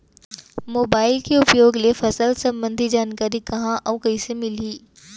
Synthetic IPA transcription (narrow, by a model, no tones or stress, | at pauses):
moːbaːɪlkeʊpjoːɡlefɐsəlsɐ̃mbə̃nd̪ʱid͡ʒaːnkaːɾikɐɦãʔɐ̃kɐisemɪliː